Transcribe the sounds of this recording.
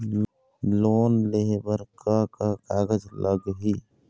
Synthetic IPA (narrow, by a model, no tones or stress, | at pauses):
loːnlebəɾkakakaːɡəd͡ʒləɡɦiː